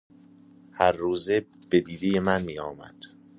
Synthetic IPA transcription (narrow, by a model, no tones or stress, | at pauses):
hæɾːuːzeb̥e̞d̪iːd̪eje̞mænmiːɒːmæ̰d̪̥